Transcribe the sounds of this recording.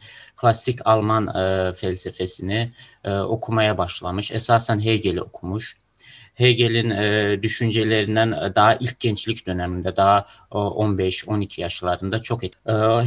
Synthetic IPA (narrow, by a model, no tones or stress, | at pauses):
kʰlˠasːicʰalˠmanfælʲsefesinio̞kʰumajabaʃlˠamɯʃɛsaːsænɦejɟelʲḭo̞kʰumuʃ | hejɟelʲind̪yʃynd͡ʒelʲeɾind̪ænd̪aɦaʔilʲc̚ʰɟɛnt͡ʃlʲicd̪ø̞næmind̪ɛd̪aɦa | ʔo̞nbɛʃo̞nicʰijaʃlˠaɾɯnd̪at͡ʃʰo̞k